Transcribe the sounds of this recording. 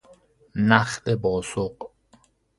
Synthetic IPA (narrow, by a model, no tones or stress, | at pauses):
næχt̪ebɒːsoq